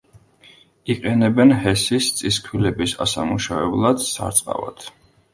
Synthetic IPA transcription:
iqʼɛnɛbɛnhɛsist̪sʼiskʰwilɛbisa̰samuʃavɛblˠad̪̥sa̰ɾt̪sʼqʼa̰va̰d̪̥ʰ

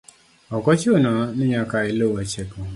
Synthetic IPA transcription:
ɔkɔt͡ʃionɔniɲakailowɛt͡ʃeko

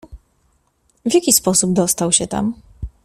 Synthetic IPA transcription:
vʲjakʲispɔsubd̪ɔst̪awɕɛt̪a̰m

